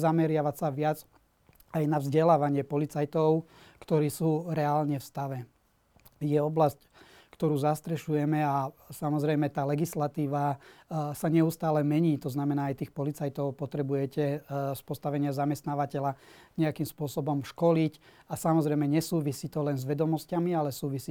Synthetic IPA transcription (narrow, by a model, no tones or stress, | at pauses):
zamɛɾɪaʋasaʋɪad͡z | ajnavzɟɛlaːʋaɲɪɛpɔlit͡sajt̪ɔʊkt̪ɔɾiːsuːɾɛaːlɲɛfst̪aʋɛ | jɛɔblasc | kt̪ɔɾuːzast̪ɾɛʃujɛmɛasamɔzɾɛjmɛt̪aːlɛɡislat̪iːʋa | saɲɛust̪aːlɛmɛɲiːt̪ɔznamɛnaːajt̪iːxpɔlit͡sajt̪ɔʊpɔt̪ɾɛbujɛcɛspɔst̪aʋɛɲɪazamɛst̪naːʋacɛlaɲɛakimspʊɔsɔbɔmʃkɔlic | asamɔzɾɛjmɛɲɛsuːʋisiːt̪ɔlɛnzʋɛd̪ɔmɔscamialɛsuːʋisiː